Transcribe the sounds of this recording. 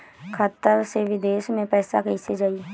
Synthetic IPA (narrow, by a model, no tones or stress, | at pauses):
kʰaːt̪ːəɾseʋɪd̪eːʃmẽpɛːsakəised͡ʒaːi